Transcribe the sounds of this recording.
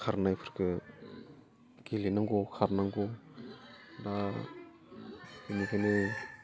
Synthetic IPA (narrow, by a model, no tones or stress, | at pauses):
kʰaɾnajpʰɯɾkɯ | ɡelinaŋɡokʰaɾnaŋɡɔ | da | inikʰane